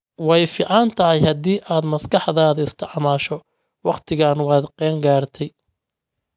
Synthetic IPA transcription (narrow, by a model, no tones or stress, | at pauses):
wɑjfɪʕɑnt̪ʰɐɦɪjhɐd̪iːʔaːd̪mɐskɑħðaːðɐɪst̪ʰɪʕmaːʃɔ | wɑqt̪ʰɪɣaːnwɑːd̪qɛːŋɡaːrt̪ʰɛj